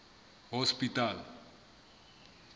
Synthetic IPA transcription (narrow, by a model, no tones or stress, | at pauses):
hɔspit̪al